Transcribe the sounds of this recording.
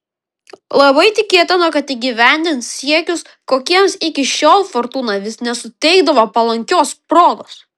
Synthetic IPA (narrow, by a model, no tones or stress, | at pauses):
lˠɐbɐɪt̪ʲɪkʲeːt̪ʲɪnoːkɐt̪iːɡʲiʋʲæˑnʲd̪ʲɪnt̪sʲiɛkʲʊs | koːkʲiɛmsɪkʲɪʃʲoːlˠfɔɾt̪uːnɑːʋʲɪsnʲɛsʊt̪ʲɛɪɡd̪ɐʋoːpɐlˠɐŋʲkʲoːspɾoːɡ̪oːs